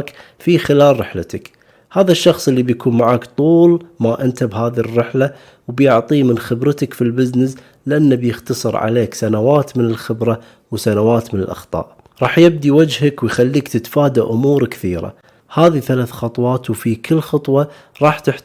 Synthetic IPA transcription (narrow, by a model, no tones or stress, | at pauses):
k | fixɪlaːlɾɪħlat̪ak | haːðaʃːɑxsˤʔɪlːibjakuːnmaʕaːkt̪ˤuːlmaʔɪnt̪abhaːðirːɪħla | wbjʊʕt̪ˤiːmɪnxɪbɾt̪akfilbɪznɪs | lɪʔanːabjɪxt̪ɑsˤɨɾʕa̰leːksanawaːt̪mɪnɪlxɪbɾa | wsanawaːt̪mɪnɪlʔɑ̰xt̪ˤɑ̰ːʔ | ɾˤɑːħjɪb̚d̪iwad͡ʒhakwɪjxalːiːkt̪ɪt̪faːd̪aʔʊmuːɾkθiːɾa̰ | haːðiθalaːθxɑt̪ˤwɑːt̪wfikʰɪlːxɑt̪ˤwɑ | ɾˤɑːħt̪ɪħ